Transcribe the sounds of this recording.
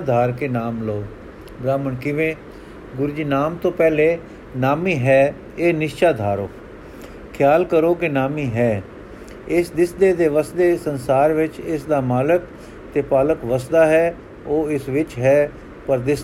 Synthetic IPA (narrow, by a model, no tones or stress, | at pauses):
d̪ʱaːɾkeːnaːmloː | ɡɾaːməɳkɪʋẽː | ɡʊɾd͡ʒiːnaːmt̪õːpɛːleː | naːmiːɦɛː | eːnɪʃt͡ʃaːd̪ʱaːɾoː | kʰjaːlkəɾoːkɪnaːmiːɦɛː | ɪsd̪ɪsd̪eːd̪eːʋəsd̪eːsənsaːɾʋɪt͡ʃɪsd̪aːmaːlək | t̪eːpaːləkʋəsd̪aːɦɛː | oːɪsʋɪt͡ʃɦɛː | pəɾd̪ɪs